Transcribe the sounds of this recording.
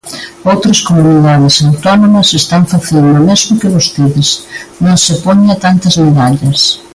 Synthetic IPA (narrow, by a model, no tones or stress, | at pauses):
owt̪ɾɐskomuniðaðɪsawt̪ɔnomɐsest̪aŋfaθend̪ʊmezmʊkɪβost̪eðɪsnõŋsɪpoɲɐt̪ant̪ɐzmeðaʎɐs